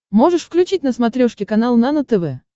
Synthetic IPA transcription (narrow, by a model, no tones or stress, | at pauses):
mo̞ʐɨʂfklʲʉt͡ɕitʲnəsmɐt̪ɾʲoʂkʲɪkɐnalˠnanət̪ɛvɛ